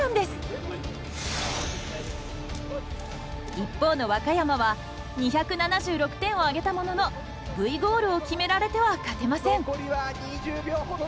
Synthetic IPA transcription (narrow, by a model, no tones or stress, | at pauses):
ɯ̃nd̪e̞sɨ̥ | ipːo̞ːno̞βakajamaβa | ɲ̟içakɯ̟nanaʑɨːɾo̞kɯ̟̥t̪ẽ̞ɰ̃o̞aɡe̞t̪amo̞no̞no̞ | bɯ̟iɡo̞ːɾɯ̟o̞kʲime̞ɾaɾe̞t̪e̞βakat̪e̞masẽ̞ŋkoɾʲiβaɲiʑɨːbʲjoː